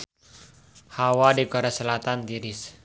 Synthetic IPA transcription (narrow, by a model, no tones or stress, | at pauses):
hawadikɔɾasəlat̪and̪iɾɪs